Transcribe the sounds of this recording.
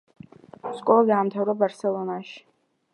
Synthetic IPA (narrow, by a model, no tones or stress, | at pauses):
skʼɔlˠaɡ̪aːmt̪ʰavɾabaɾsɛlˠɔnaʃi̥